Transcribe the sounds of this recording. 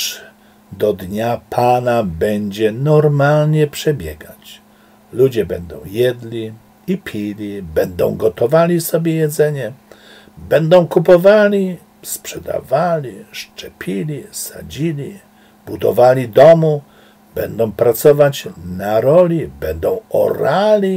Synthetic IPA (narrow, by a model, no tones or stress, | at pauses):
d̪ɔd̪ɲapʰanabɛɲd͡ʑɛnɔɾmalɲɛpʂɛbʲjɛɡat͡ɕ | lud͡ʑɛbɛnd̪ɔ̃w̃jɛd̪lʲi | ipʲʰilʲibɛnd̪ɔ̰̃w̃ɡɔt̪ɔvalʲisɔbʲjɛjɛd̪zɛɲɛ | bɛnd̪ɔ̃w̃kupɔvalʲi | spʂɛd̪a̰valʲiʂt͡ʂɛpʲilʲisa̰d͡ʑilʲi | b̥ud̪ɔ̰valʲid̪ɔmu | bɛ̰nd̪ɔ̃w̃pɾat̪sɔvat͡ɕnaɾɔlʲibɛnd̪ɔ̃w̃ɔ̰ɾalʲi